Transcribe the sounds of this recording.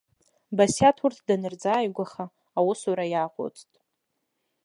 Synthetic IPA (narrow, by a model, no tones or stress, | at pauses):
basjatʰurtʰdanɨrd͡zaːjɡʷaχaː | wʊsuɾajaqʷʊ̰t͡sʼtʼ